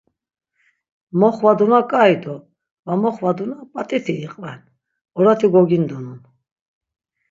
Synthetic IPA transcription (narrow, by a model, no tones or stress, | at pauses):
mɔχvad̪unakʼaid̪ɔ | vamɔχvad̪unapʼat̪ʼit̪ʰiːqʼvɛn | ɔɾat̪ʰiɡɔɡind̪ɔnun